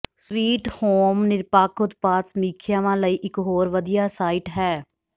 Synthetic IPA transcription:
sʋiːʈhoːmnɪɾpaːkʊt̪paːsmiːkʰjaːʋãːləiːʔɪkɦoːɾʋəd̪ijaːsaːɪːʈɦɛː

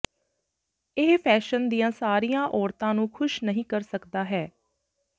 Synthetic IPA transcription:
ɪɦpʰɛːʃənd̪ijãːsaːɾijãːʔɔːɾt̪ãːnũːkʰʊʃnəɦĩːkəɾsəkd̪aːɦɛː

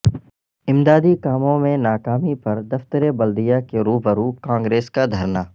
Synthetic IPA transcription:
ɪ̃md̪aːd̪ikaːmõmẽnaːkaːmipɐɾd̪ɐft̪əɾebɐld̪ijakeɾuːɦbəɾuːkãːŋɡɾeːskad̪ʱɐɾnaː

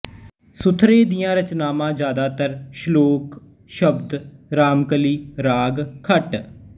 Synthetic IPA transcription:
sʊt̪ʰɾeːd̪ijãːɾət͡ʃnaːmãːd͡ʒjaːd̪aːt̪əɾʃloːk | ʃəbd̪ɾaːmkəliːɾaːɡkʰəʈ

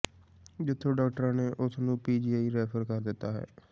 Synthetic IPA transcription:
d͡ʒɪt̪ʰːõːɖaːk̚ʈəɾãːneːʔʊsnũːpiːd͡ʒiːaːiːɾɛːpʰəɾkəɾd̪ɪt̪ːaːɦɛ̰ː

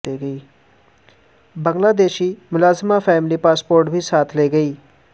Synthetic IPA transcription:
eːɡəiː | bə̃ŋɡlaːd̪eːʃiːmʊlaːzmafʰɛːmɪliːpaːspoːɾʈbʱiːsaːt̪ʰleːɡəiː

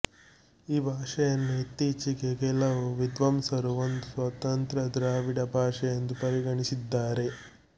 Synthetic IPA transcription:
iːbʱaːʂɐjɐnːuit̪ːiːt͡ʃikekɛlɐʋuʋid̪ʋɐmsɐɾuʋond̪usʋɐt̪ɐnt̪ɾɐd̪ɾaːʋiɽɐbʱaːʂɐjɐnd̪upɐɾiɡɐɳisid̪ːaːɾe̞

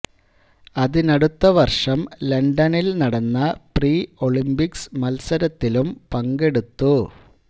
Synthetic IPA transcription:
ɐðɨnɐɽut̪ːɐʋɐrʂɐmlɐɳɖɐnilnɐɽɐnːɐpriːo̞ɭimbiksmɐlsɐɾɐt̪ːilumpɐŋɡe̞ɽut̪ːu

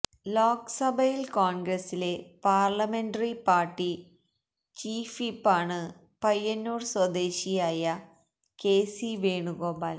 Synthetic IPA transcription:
loːksɐbʱɐjilkoːɳɡɾɐsile̞paːrlɐme̞nɖɐripaːrʈːi | t͡ɕiːfipːaːɳɨ | pɐjːɐnːuːrswɐd̪eːɕijaːjɐ | ke̞ːsiʋeːɳuɡo̞ːbaːl

